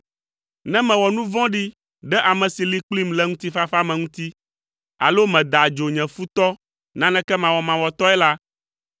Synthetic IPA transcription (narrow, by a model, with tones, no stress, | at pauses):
nɛ̃˦mɛ̃˨wɔ˨nũ˦vɔ̃˦ɖi˦ | ɖɛ˦ʔa˨mɛ̃˨si˨li˦k͡pli˦mlɛ˦ŋũ˦t̪i˦fa˦fa˦mɛ̃˨ŋũ˦t̪i˦ | a̰˨lo˦mɛ̃˨d̪a˨d͡ʒo˨ɲɛ̃˨fu˦t̪ɔ˦ | nã˦nɛ̃˦kɛ˦mã˨wɔ˨mã˨wɔ˨t̪ɔ˦ɛ˦la˦